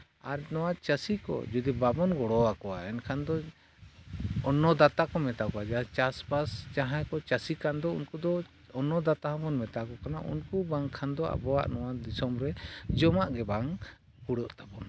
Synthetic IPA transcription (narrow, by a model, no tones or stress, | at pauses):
aɾnɔwat͡ʃəsikɔ̰d͡ʒud̪ibabɔnɡɔɽɔwakɔwaɛnkʰand̪ɔ | ɔnːɔd̪at̪akɔmɛt̪akɔwad͡ʒaat͡ʃaspast͡ʃaɦajkɔt͡ʃasikand̪ɔṵnkud̪ɔ | ɔnːɔd̪at̪aɦɔ̃bɔnmɛt̪akɔkana̰ʔṵnkubaŋkʰand̪ɔʔa̰bɔwa̰ʔnɔwad̪isɔmɾɛd͡ʒɔmaʔɡɛbaŋ | kuɽɔʔt̪apɔn